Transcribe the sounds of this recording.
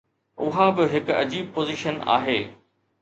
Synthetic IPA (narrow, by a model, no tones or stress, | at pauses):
ʊɦabɪɦɪkʊɐ̰d͡ʑiːb̚poːziʃəna̰ːɦeː